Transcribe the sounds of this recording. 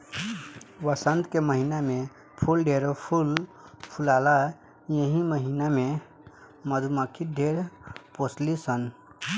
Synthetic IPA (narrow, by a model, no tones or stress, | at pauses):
ʋəsənt̪keməɦiname | pʰulɖeɾpʰulpʰulala | jəɦĩməɦiname | məd̪ʱuməkʰiɖʱeɾposʰlisən